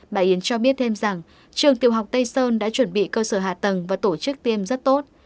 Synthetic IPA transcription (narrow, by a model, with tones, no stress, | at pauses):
ɓa̰ː˧˩jʔi˨˦ənt͡ɕɔ˧ɓi˦˥ət̚t̪ʰe˧mza˨˩ŋ | t͡ɕɨ˨˩əŋt̪i˨˩əwɦa˨˩wk͡p̚t̪ə˧jsəː˧nɗa̰ː˧˥t͡ɕwə˧˩nɓḭ˧˨kəː˧səː˧˩ɦa̰ː˧˨t̪ə˨˩ŋvaː˨˩t̪o˧˩t͡ɕɨ˦˥k̚t̪i˧əmzə˦˥t̚t̪o˦˥t̚